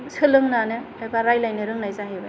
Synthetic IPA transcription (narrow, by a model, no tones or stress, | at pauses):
sɯlɯŋnanɯ | abaɾajlajnɯɾɯŋnajzaɦiba